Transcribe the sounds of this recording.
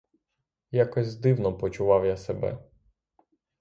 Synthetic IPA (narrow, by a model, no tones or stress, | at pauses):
jakɔzʲzd̪ɪwnɔpɔt͡ʃʊʋɑwjasebɛ̰